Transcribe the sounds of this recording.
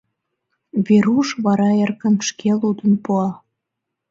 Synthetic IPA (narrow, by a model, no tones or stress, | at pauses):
βeɾuʃβɑɾɑerkənʃkelud̪ənpuɑ